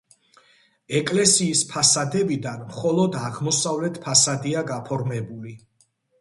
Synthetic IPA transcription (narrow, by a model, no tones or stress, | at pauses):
ɛkʼlɛsiːspʰasad̪ɛbid̪anmχɔlˠɔd̪aʁmɔsavlɛt̪ʰpʰasad̪iaɡapʰɔɾmɛbuli